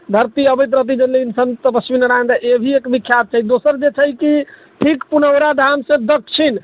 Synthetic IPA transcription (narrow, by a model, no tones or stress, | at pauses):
d̪ʱəɾt̪iəbəjt̪ɾət̪̬id͡ʒəllinsənt̪əpəsminəɾand̪aʔebʱiekbikʰːjab̚t͡ʃʰaid̪osəɾd͡ʒet͡ʃʰəjki | ʈʰikpunəwɾad̪ʱamsẽd̪əkʰːt͡ʃʰin